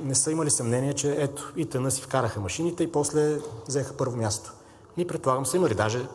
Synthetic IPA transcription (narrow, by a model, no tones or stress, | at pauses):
nɛsɤiməlisɐmnɛniɛt͡ʃɛɛt̪o̥it̪ənɤsi̥fkaɾəxəmɐʃinit̪ɛipɔslɛvzɛxə̥pɤɾvomʲjast̪o̥ | nipɾɛt̪pːlˠaɡəmsəiməlid̪aʒɛ